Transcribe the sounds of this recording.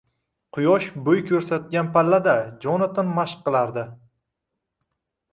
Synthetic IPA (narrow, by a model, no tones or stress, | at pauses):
qʰʊjɒʃbɵjkʲʰɵɾsat̪̚ɡʲanpʰalːad̪ad͡ʒɒnɪt̪ʰɪnmaʃqːɨlˠaɾd̪ɪ